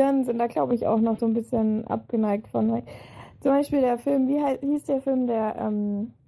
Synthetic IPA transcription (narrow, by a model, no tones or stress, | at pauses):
ɪɐnənzɪntd̥aːɡlaʊbəɪça̰ʊxnɔχz̥oːnbɪsçənʔa̰p̚ɡ̥ənaɪk̚tfɔnɛkt͡sʊmbaɪʃpiːldeːɐfɪlmviːɦaɪhiːsd̥eːɐfɪlmdeːɐʔɛ̰ːm